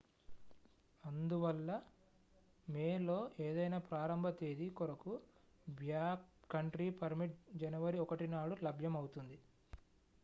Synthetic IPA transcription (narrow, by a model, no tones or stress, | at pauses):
ɐnd̪uʋɐlːɐ | meːlo̞ːʔeːd̪ɐjnaːpɾaːɾɐmbʱɐt̪eːd̪ikɔɾɐku | bjaːkːɐɳʈɾiːpɐɾmiʈ̚d͡ʒɐnɐʋɐɾiɔkɐʈinaːɽulɐbʱjɐmɐwut̪und̪i